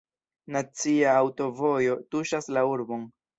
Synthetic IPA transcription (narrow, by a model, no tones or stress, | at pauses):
nat͡siaːwto̞vo̞jo̞tuʃaslauɾbo̞n